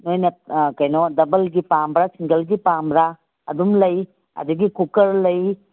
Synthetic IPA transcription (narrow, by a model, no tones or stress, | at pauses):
nojnɐkɐjnɔdɐbɐlɡipambɾasiŋɡɐlɡipambɾa | ɐ̰dumlɐj | ɐ̰duɡikukɐɾlɐj